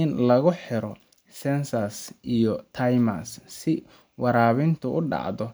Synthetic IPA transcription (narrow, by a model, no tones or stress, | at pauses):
ɪnlɐɣʊħɪɾɔ | sɛnsɐsʔijɔt̪ʰɐjmɐsːɪ | wɑɾaːβɪnt̪ʰʊʊɖɑ̰ʕðɔ